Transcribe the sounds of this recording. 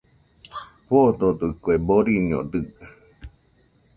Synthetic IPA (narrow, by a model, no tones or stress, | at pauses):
hod̪od̪ɨkweboɾiɲo̰d̪ɨ